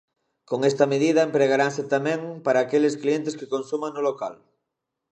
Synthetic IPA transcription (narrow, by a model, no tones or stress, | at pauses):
koŋest̪ɐmeð̞iðɐempɾeɣaɾanset̪amɛ̃ŋpaɾaːkelesklient̪eskekonsumaŋnʊloka̰l